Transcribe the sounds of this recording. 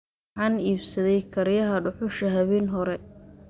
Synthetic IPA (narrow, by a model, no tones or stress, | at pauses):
ħɑːniːbsɐðɛjkʰɐɾjɐɦɐɖʊħʊʃɐɦɐβɛːnɦɔɾɛ